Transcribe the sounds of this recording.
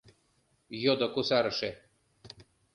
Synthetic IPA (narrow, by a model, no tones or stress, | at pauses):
jod̪okusɑɾɤ̆ʃe